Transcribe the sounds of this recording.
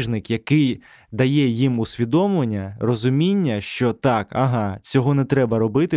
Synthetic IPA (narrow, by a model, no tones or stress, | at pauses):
ʒnɪkjɐkɪj | d̪ɐjɛjimusʲʋʲid̪ɔmlˠenʲːɐrɔzʊmʲinʲːɐʃt͡ʃɔt̪ɑkɐ̰ɦɑt͡sʲɔɦɔnɛt̪ɾɛbɐɾɔbɪt̪ɪ